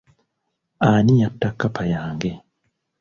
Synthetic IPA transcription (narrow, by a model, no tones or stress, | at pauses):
anijatːakːapʰajaːŋɡɛ